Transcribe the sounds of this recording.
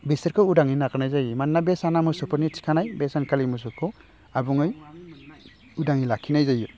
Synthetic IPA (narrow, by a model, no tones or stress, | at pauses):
beseɾkʰɔudaŋinakaɾnajzajɯmanːabesanamɯsɔpʰɯɾnit͡ʃi̥kʰanajbesankʰalimus̬ɔkʰɔ | abuŋɯj | udaŋilakʰːinajzaju